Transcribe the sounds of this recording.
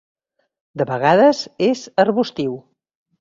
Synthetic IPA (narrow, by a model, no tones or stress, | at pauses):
d̪əβəɣaðəzezərβust̪iw